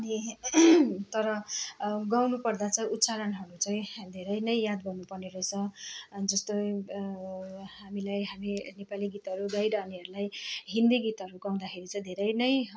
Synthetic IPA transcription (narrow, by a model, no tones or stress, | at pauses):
ʌni | t̪ʌɾʌ | ɡawnupʌrd̪at͡sʌ̃j̃ut̪saɾʌnɦʌɾut͡saĩd̪ʱeɾʌjnʌjjad̪bʌnːupʌrneɾʌjt͡sʰʌd͡zʌst̪o | ɦamilajɦaminepaliɡit̪ɦʌɾuɡ̪ajɾaːniʌɾulajɦind̪iɡit̪ɦʌɾuɡaw̃d̪akʰeɾit͡sʌj̃d̪ʱeɾʌjnʌj